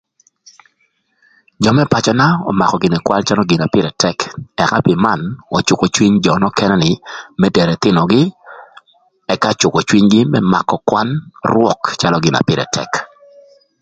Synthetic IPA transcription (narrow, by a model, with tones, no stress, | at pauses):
d͡ʒɔ˨mɛ˦pa˨t͡ʃɔ˦na˦ɔ̰˨ma˨kɔ˨ɡɪ˨nɛ˨kwa̰˦lt͡ʃa˦lɔ˦ɡɪ˨na˨pɪ˦ɾɛ˨tɛ˦kɛ˨ka˦pɪ˨ma˨nɔ˨t͡ʃʊ˨kɔ˨t͡ʃwi˦ɲd͡ʒɔ˨nɔ˦kɛ˦nɛ˦nɪ˨mɛ˦dɛ˨ɾɛ˨t̪ɪ˦nɔ˨ɡɪ˦ | ɛ˦ka˦t͡ʃʊ˨kɔ˨t͡ʃwi˦ɲɡɪ˦mɛ˦ma̰˨kɔ˨kwa˦nrwɔ˨kt͡ʃa˦lɔ˦ɡɪ˨na̰˨pɪ˦ɾɛ̰˨tʰɛ̰˨k